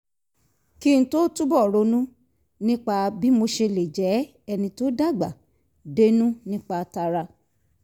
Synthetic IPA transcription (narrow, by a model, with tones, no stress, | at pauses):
ki˦˧ñ̩˧to˦tu˦bɔ˦˨ɾo˧˦nũ˦ | nĩ˦k͡pa˧bi˦mo˧ʃe˧le˨d͡ʒɛ˨˦ | ɛ˧nĩ˧to˦da˦˨ɡ͡ba˨ | de˦nũ˦nĩ˦k͡pa˧ta˧ɾa˧